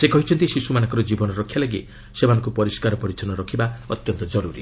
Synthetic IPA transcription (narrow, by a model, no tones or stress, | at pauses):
sekɔɦit͡ʃʰɔnt̪isisumanɔ̃ŋkɔɾɔd͡ʒibɔnɔɾɔkʰːjalaɡi | sem̤anɔ̃ŋkupɔɾiskaɾɔpɔɾit̪ʰɔnɔɾɔkʰibaɔt̪jɔnt̪ɔd͡ʒɔɾuɾḭ